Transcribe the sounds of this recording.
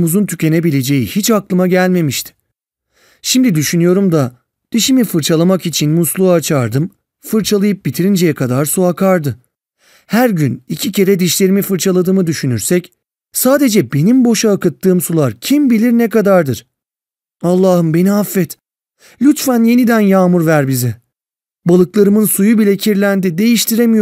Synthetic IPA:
muzunt̪ʰycʰʲe̞nebilʲe̞d͡ʒe̞jihit͡ʃaklˠɯmaɟælʲme̞miʃt̪ʰɪ̥ | ʃimd̪id̪yʃynyjo̞ɾumd̪a | d̪̥iʃimifɯɾt͡ʃʰalˠamakit͡ʃʰinmuslˠuaːt͡ʃʰaɾd̪ɯm | fɯɾt͡ʃʰalˠajɯp̚bit̪ʰiɾind͡ʒejɛkʰad̪aɾsuakʰaɾd̪ɯ | hæɾɟynicʰice̞ɾɛd̪iʃlʲe̞ɾimifɯɾt͡ʃʰalˠad̪ɯːmɯd̪yʃynyɾsɛc | saːd̪e̞d͡ʒɛbe̞nimbo̞ʃaːkɯt̪ʰːɯːmsulˠaɾcʰimbilʲiɾnɛkad̪aɾd̪ɯɾ̥ | alˠːaːhɯmbe̞niafːɛt̪ | lʲyt̪fænje̞nid̪ænjaːmuɾvæɾbizi | balˠɯklˠaɾɯmɯnsujubilʲɛcʰiɾlʲænd̪id̪e̞jiʃt̪ʰiɾemij

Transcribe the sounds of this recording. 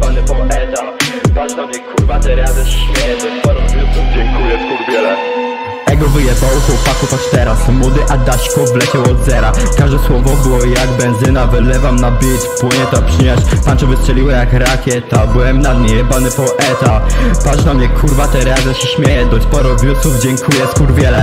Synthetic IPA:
banɛpɔɛt̪apaʂnamɲɛkuɾvat̪ɛɾazɛʂɕmʲjɛjɛd̪ɔpɔɾɔuɔd͡ʑɛŋkujɛkuɾbʲjɛlɛ | ɛɡɔvɘjɛbawɔkɔwpak̪uk̪at͡ʃt̪ɛɾasmɔd̪ɪʔad̪aɕkɔvlɛt͡ɕɛwɔd̪zɛɾakaʐd̪ɛswɔvɔbɘwɔjaɡbɛnzɘnavɛlɛvamnabʲjet͡ɕpuɲɛt̪apʂɘɲaɕp̪ant͡ʃɔvɨst͡ʂɛlʲiwɛjakɾakʲjɛt̪abɨwɛmnad̪nɛjɛbanɪpɔʔɛt̪apaʐnamɲɛkʰuɾvat̪ɛɾɛazɛʂɕmʲjɛjɛd̪ɔspɔɾɔ̃vɲʲut̪suvd͡ʑɛŋkʰujɛskuɾvʲjɛlɛ

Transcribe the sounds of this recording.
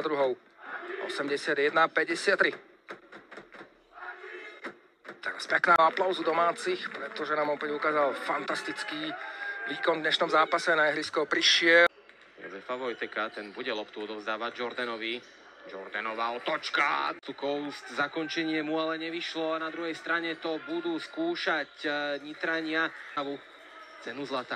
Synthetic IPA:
d̪ɾuɦɔʊ | ʔɔ̰sɛmɟɛsɪad̪jɛd̪napɛɟɛsɪat̪ːɾi | t̪ɛ̰ɾaspɛknaːaplaʊzud̪ɔmaːt͡sixpɾɛt̪ɔʒɛnaːmɔpɛɟukaːzalfant̪ast̪it͡skiːʋiːkɔnd̪ɲɛʃnɔmzaːpasɛnaɛɦɾiskɔʊpɾiʃɪɛ | jɔ̰zɛfaʋɔjt̪ɛkat̪ɛnbuɟɛlɔpt̪uɔd̪ɔʋzd̪aːʋaɟd͡ʒɔɾd̪anɔʋi | d͡ʒɔ̰ɾd̪anɔʋaːɔt̪ɔt͡ʃka̰t̪ukɔʊst̪zakɔɲt͡ʃɛɲɪɛmualɛɲɛʋiʃlɔanad̪ɾuɦɛjst̪ɾaɲɛt̪ɔbud̪uːskuːʃacɲit̪ɾaɲɪaʋu | t͡sɛnuzlat̪aː

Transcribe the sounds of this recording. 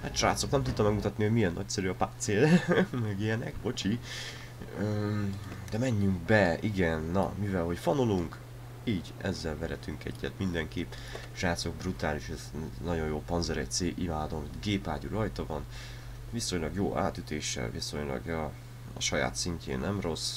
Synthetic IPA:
hat̪ʃa̰ːt̪so̞knɛmt̪ut̪ːɒmɛɡmut̪ɒt̪niho̞ɟmijɛnːʔɒc̚sɛɾyɒpaːt̪seːlmɛɡijɛnɛkbo̞t͡ʃi | ø | d̪̥ɛmɛɲːyŋk̚bɛiɡɛnːɒ̰mivɛlɦo̞cfɒnoluŋk | iːɟ | ɛzːɛlvɛɾɛt̪yŋkɛ̰ɟːɛt̪mind̪ɛŋkeːp | ʃaːt̪soɡ̚brut̪aːliʃɛznɒɟo̞jjoːpɒnzɛɾɛ̰c̚t̪seːʔimaːd̪o̞mit̪ɡeːpaːɟuɾɒjt̪ɒvɒn | viso̞ɲlɒɡjoːʔa̰ːt̪yt̪eːʃːɛ̰lviso̞ɲlɒ̰ɡɒ | ɒ̰ʃɒja̰ːt̪siɲcḛːnːɛmro̞s

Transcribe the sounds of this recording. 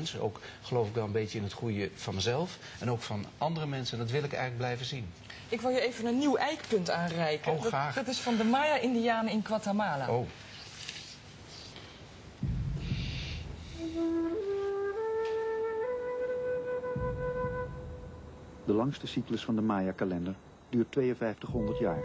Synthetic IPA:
nsəo̰wkχəlowfɪɡ̚dɔlˠənbeːtjəɪnətχujəv̥ɑnməzɛlˠf | ʔɛnowkfɑnʔɑndərəmɛnsəndɑtʋɪlˠɪkɛ̰jɣənləɡblɛjvəzin | ɪkʋɪlˠjəejvənənːiwʔɛjkpɵntaːnrɛjkəoːraːdɑtɪsfɑndəmaːjaʔɪndijaːnəɪnkʋatamaːlaow | dəlɑŋstəsikləsfɑndəmaːjakalɛndəɹ | dyːɹtʋejənvɛjftəχɦɔndəɹtjaːɹ

